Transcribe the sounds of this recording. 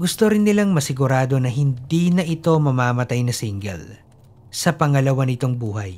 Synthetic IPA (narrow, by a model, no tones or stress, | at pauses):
ɡʊst̪oɾɪnːɪlaŋmɐsɪɡʊɾaːd̪o̞nɐɦɪnd̪iːnɐʔɪt̪o̞mɐmaːmɐt̪ajnɐsiŋɡɛ̰l | sɐpɐŋɐlɐwanɪt̪o̞ŋbuːɦɐj